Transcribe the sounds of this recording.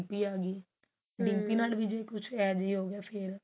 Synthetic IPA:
piːaːɡiː | ɖɪ̃ŋpiːnaːlbiːd͡ʒeːkʊt͡ʃʰɛːd͡ʒiːɦoːɡaːpʰɪːɾ

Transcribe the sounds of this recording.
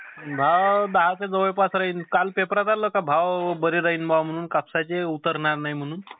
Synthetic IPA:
bʱawd̪aɦat͡sed͡zəʋəjpasɾəɦinkalpepɾat̪aləkabʱaʋbəɾeɾəɦinbʱawm̤əɽ̃uːnkapsat͡ɕeut̪əɾnaɾnaɦjm̤əɽ̃uːn

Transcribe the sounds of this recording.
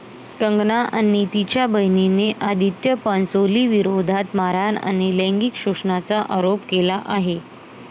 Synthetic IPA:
k̪əŋɡnaʔanit̪it͡ɕjabəɦnineʔad̪ʱit̪jəpãnsoliːʋiɾod̪ʱat̪maɾana̰ɽ̃ilẽŋɡikɕuʂnat͡saʔaɾopkelaʔaɦe

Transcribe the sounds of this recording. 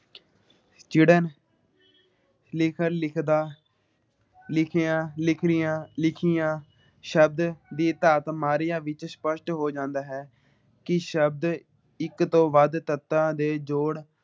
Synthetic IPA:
st͡ʃɪːɽən | lɪkʰəɾlɪkʰd̪aː | lɪkʰjãːlɪkʰɾɪjãːlɪkʰijãː | ʃəb̚d̪d̪iːt̪aːt̪maːɾɪjãːʋɪt͡ʃspəʃʈɦoːd͡ʒãːnd̪aːɦɛː | kɪʃəb̚d̪ | ɪkt̪õːʋəd̪t̪ət̪ːãːd̪eːd͡ʒoːɽ

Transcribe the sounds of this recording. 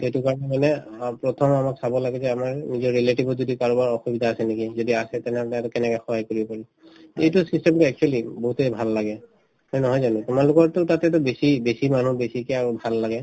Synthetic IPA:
ejtʊkaɹɔnɛmanɛpɹɔtʰɔmamaksabɔlaɡɛzɛamaɹnizɔɹɹeletibʱɔzodikaɹubaɹɔxubidʱaːsɛnekizodiasɛtɛnɛɔtɛtʊkɛnɛkɛxɔɦajkoɹibɔpaɹi | ejtusistɛmtuɛk̚t͡ʃualiboɦutejbʱalːaɡɛ | hɔjnɔɦɔjzanʊ̃tumalʊkɔɹtʊtatɛtʊbesibesimanubesikɛaɹubʱalːaɡɛ

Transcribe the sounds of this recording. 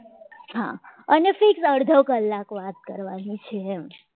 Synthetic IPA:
ɦa̰ənefiksəɽd̪ʱəkəlːakʋat̪̚kəɾʋanit͡ʃʰeːm

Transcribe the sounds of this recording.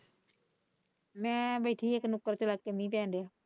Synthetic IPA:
mɛ̃ːbəːʈʰiːeknʊkːəɾt͡ʃəlaːkːeːmĩːpɛ̃ːnd̪ejaː

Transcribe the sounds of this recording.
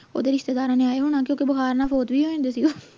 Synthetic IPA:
o̰ːd̪eːɾɪʃt̪eːd̪aːɾãːneaːeɦoːɽ̃aːk̬jõːkebəxaːɾnaːpʰoːt̪biːɦoːẽːnd̪eːsiɡoː

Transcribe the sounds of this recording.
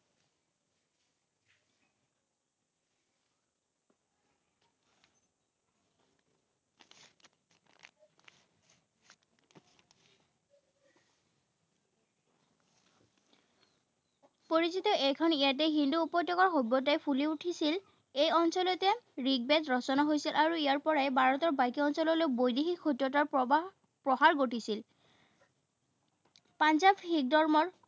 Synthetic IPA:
poɹizit̪ɔʔɛjkʰɔnijatɛɦinduːpɔjtːɔkɔɹxobɔtajpʰuliuʈʰisil | ejɔnsɔlɔtɛɹiɡ̚bɛtɹɔsɔnaɦojsilʔaɹuijaɹpɔɹajbʱaɹɔtɔɹbajkiɔnsɔlɔlojbojdixikxutːɔtaɹpa | pɹɔɦaɹɡoʈʰisil | panzabhik̚dɔɹmɔɹ

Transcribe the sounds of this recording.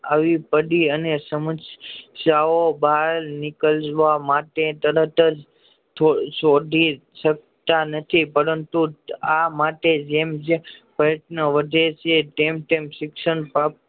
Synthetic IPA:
aʋipəɖiənesəməssjaobalnɪkəlʋamaʈet̪əɾət̪əd͡ʒ | t̪ʰoʃod̪ʱi | ʃək̚t̪anət̪ʰipəɾənt̪uamaʈed͡ʒemd͡ʒepɾəjəʈnəʋəd̪ʱet͡ʃʰet̪emt̪emʃɪkʃəɳpa

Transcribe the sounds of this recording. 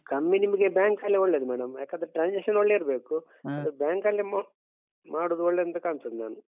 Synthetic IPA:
kɐmːinimiɡebjaːŋkɐlːeoɭːeːd̪umɛːɽɐmjaːkad̪ɾʈɾaːnseʂɐnoɭːeiɾɐbeːku | ɐd̪ɐɾbjaːŋkɐlːem | maːɽuːd̪uoɭːeːɐnt̪ɐkaːnsɐd̪ina̰ːnu

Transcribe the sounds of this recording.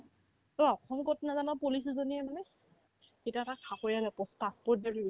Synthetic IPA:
tɔɔkʰɔmkɔtnazanapolis̬zoniɛmanɛ | kitatakʰakojalɛpɔstapɔdadibi

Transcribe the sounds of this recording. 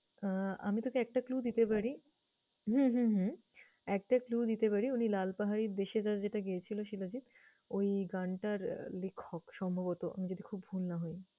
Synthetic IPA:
a̰mit̪okeɛk̚ʈaklud̪it̪epaɽi | ɦũɦũɦũ | ɛk̚ʈaklud̪it̪epaɾiunilalpaɦaɾiɾd̪eʃed͡ʑaɾd͡ʑeʈaɡiet͡ɕʰiloʃilad͡ʑit̪ | ojɡaɳʈaɾlekʰːokʃɔmbʱaβot̪oʔa̰mid͡ʑod̪ikʰubbʱulnaɦoj

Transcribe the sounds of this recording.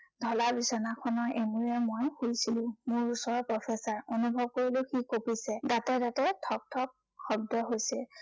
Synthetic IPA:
dʱɔlabisɔnakʰɔnɔʔemuɹɛmojxujsilʊ̃mʊɹusɔɹɔpɹɔpʰɛsaɹonubʱɔb̚koɹilʊkikopisɛdatɛdatɛtʰɔk̚tʰɔk̚ | xɔb̚dɔɦojsɛ

